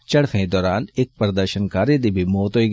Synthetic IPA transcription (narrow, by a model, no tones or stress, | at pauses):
t͡ʃɐɽfʰẽd̪ɔːɾaːnek̚pəɾd̪əɾʃənkaːɾid̪ibʱimoːt̪ɦoːiɡ